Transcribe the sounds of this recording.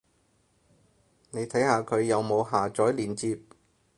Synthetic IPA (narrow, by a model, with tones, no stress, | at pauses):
ne˨˧jt̪ʰɐ˨˥jhaː˨˧kʰɵ˨˧ɥjɐ˨˧wmo˨˧wɦaː˨˩t͡ʃɔː˨˥jliː˨˩nt͡siː˧p̚